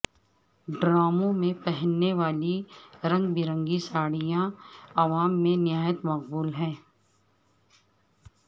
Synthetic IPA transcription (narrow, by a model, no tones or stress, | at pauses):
ɖɾaːmõmẽpɛɦənːeʋaːliɾɐ̃ŋɡ̚bɪɾə̃ŋɡisaːɽijãɐʋaːmːẽnɪjaːjət̪mɐqbuːlɦɛ̃ː